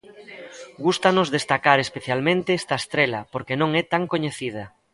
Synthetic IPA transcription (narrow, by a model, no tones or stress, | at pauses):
ɡust̪anozðest̪akaɾespeθjalmẽnt̪eɛst̪ɐest̪ɾelɐpoɾkenõŋɛt̪aŋkoɲeθið̞ɐ